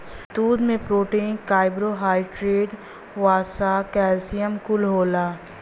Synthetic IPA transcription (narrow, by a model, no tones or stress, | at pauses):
t̪uːd̪mẽpɾoːʈiːnkaːɪbɾoɦaːiʈɾeːɖ | ʋaːsakɛːlsijəmkʊlɦoːlaː